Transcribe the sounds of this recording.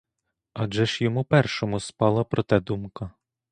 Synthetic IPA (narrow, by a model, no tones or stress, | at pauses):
ɑʒɛʃjɔmupɛrʃɔmʊspɑlˠɐpɾɔt̪ɛd̪umkɐ